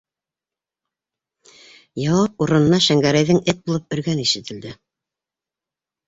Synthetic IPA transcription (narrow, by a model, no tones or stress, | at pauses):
jɑwɑp̚uɾɤ̆nɤ̆nɑʃæŋɡæɾæjðɘŋɘt̪̚bulˠɤp̚ɵ̆ɾɡæniʃɘ̆t̪ɘ̆ld̪ɘ